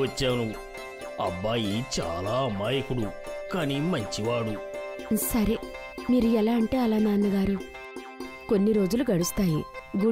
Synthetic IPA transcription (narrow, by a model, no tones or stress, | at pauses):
ɐt͡ʃːaːnu | ɐ̰bːaːjit͡ʃa̰ːlaːmaːjɐkuɽukaːnimɐɲt͡ʃiʋaːɽusɐɾe̞ | miːɾuɛlaːɐɳʈeːɐlaːnaːnːɐɡaːɾu | ko̞nːiɾo̞ːd͡ʒuluɡɐɽust̪aːjiɡu